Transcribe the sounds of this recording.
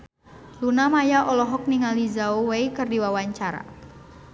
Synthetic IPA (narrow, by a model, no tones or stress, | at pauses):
lunamajaʔɔlɔɦɔk̚niŋalizauweikɨrdiwawaɲt͡ʃaɾa̰